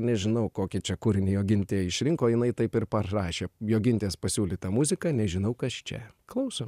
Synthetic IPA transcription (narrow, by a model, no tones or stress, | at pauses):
nʲɛʒʲɪnɐʊkoːkʲɪt͡ʃʲɛkʊɾʲɪnʲɪjoːɡʲɪnʲt̪ʲeːɪʃʲɾʲɪŋkoːjɪnɐɪt̪ɐɪpɪrpɐrɑːʃʲeːjoːɡʲɪnʲt̪ʲeːspɐsʲuːlʲiːt̪ɐmʊzʲɪkɐnʲɛʒʲɪnɐʊkɐst͡ʃʲɛ̰klˠɐʊsoː